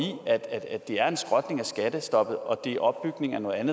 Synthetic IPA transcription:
ḭæd̥æ̥æd̥e̝æɐe̝nsɡ̥ʁɒd̥ne̝ŋæsɡ̥æd̥əsd̥ɒ̽b̥ð̩ˠɒ̽d̥e̝ʔɒ̽b̥ːyɡ̥ne̝ŋæɐno̽ːð̩ˠænð̩ˠ

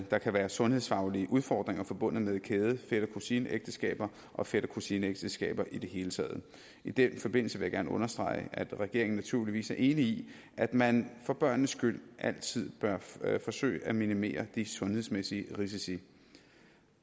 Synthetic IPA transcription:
d̥ɑ̈kʰæʋæːɐsɔ̽nhe̝ðˠsfɑ̈ʊliəʔuðˠfɒ̰ːd̥ʁeŋɐfɒ̽b̥ɔ̽n̰nəmeðekʰeːð̞ˠəfeɾ̥ɐkʰusiːnəʔeɡ̥̚d̥əsɡ̥ɛ̰ːb̥ɐ | ʔɒ̽fed̥ɐkʰusiːnəeɡ̥d̥əsɡ̥ɛ̰ːb̥ɐʔid̥e̝ɦe̝ːlət͡sʰɛ̰ːð̞̩ˠ | id̥enfɒ̽b̥e̝n̰l̩səʋe̝jɑ̈ɡ̥æɐnəɔ̽nɐsd̥ʁɑ̈ɪʔæd̥ʁɛɡ̥e̝ɐeŋn̩næt͡sʰuɐ̰liʋḭːsæɐʔe̝ːnii | ʔæd̥mænfɒ̽b̥ɶɐ̰nːəsɡ̥yl̰ʔæl̰t͡sʰið̞̰ˠb̥ɶɐfɒ̽sø̰ːɪəæminime̝̰ːɐd̥isɔ̽nhe̝ðˠsmesiəʁis̬isi

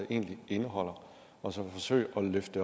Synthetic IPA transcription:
ʔe̝̰ːnlie̝nəɦɒ̽l̰ɐ | ʔɒ̽sɒ̽fɒ̽sø̰ɪ̰ʔɒ̽løfd̥ə

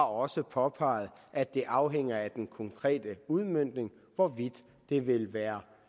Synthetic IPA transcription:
ɑ̈ɒ̽səpʰɒ̽pʰɑ̈ɪð̞̩ˠʔæd̥e̝ʔɑ̈ʊɦeŋ̰ɐæd̥enkʰɒ̽ŋkʰʁɛ̰ːd̥əuð̞ˠmøn̰d̥ne̝ŋ | ʋɒʋid̥ː | e̝ʋe̝lʋæːɐ

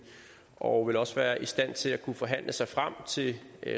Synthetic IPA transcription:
ʔɒʋe̝lɒ̽səʋæːɐʔisd̥æn̰t͡sʰe̝lækʰufɒ̽ɦæn̰lʔəsɑ̈ɪfʁam̰t͡sʰe̝

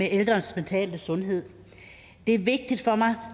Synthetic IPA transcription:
eʔeld̥ʁɐnsment͡sʰɛ̰ːld̥əsɔ̽nɦe̝ð̰ˠ | d̥e̝æɐʋe̝ɡ̥̚d̥id̥fɒ̽mɑ̈ɪ

